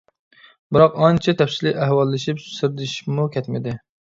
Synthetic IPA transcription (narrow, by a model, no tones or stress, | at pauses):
bɨɾɑqɑnt͡ʃʰɛt̪ʰɛpsɪlɪæhwɑlˠːɪʃipsɨɾd̪ɪʃmukʲʰɛt̪mɪd̪ɪ